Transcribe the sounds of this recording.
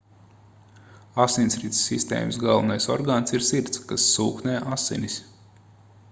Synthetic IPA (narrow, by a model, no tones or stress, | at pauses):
asinʲsɾit̪sːist̪ḛːmsɡalˠvunajsɔ̰ɾɡaːnsiɾsiɾt̪skasːuːknɛːʔasḭnʲisʲ